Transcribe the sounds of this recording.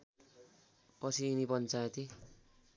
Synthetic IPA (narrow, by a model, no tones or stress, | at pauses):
kʌsiːnipʌnt͡saet̪i